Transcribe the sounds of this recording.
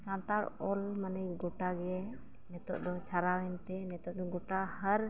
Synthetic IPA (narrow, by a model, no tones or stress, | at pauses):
kãnt̪aɾɔlmanɛɡɔʈaɡɛ | nɛt̪ɔ̰ʔd̪ɔt͡ʃʰaɾawɛnt̪ɛnɛt̪ɔʔ̚d̪ɔɡɔʈahəɾ